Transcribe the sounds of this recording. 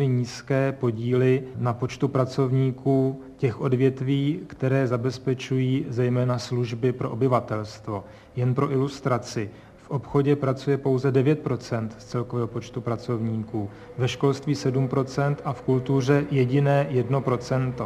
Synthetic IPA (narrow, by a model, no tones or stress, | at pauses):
ɪɲiːskɛːpo̞ɟiːlɪnapo̞t͡ʃt̪upɾat͡so̞vɲiːkuː | cɛxʔo̞dvjɛt̪viːkt̪ɛɾɛːzabɛspɛt͡ʃujiːzɛjmɛːnasluʒbɪpɾʔo̞ʔobɪvat̪ɛlst̪vo̞ | jɛnpɾo̞ʔɪlust̪ɾat͡sɪ | fʔo̞pxo̞ɟɛpɾat͡sujɛpo̞wzɛdɛvjɛt̪̚pɾo̞t͡sɛnt̪st͡sɛlkovɛːɦo̞po̞t͡ʃt̪upɾat͡so̞vɲiːkuː | vɛʃko̞lst̪viːsɛdumpɾo̞t͡sɛnt̪ʔafkult̪ur̝ɛjɛɟɪnɛːjɛdno̞pɾo̞t͡sɛnt̪o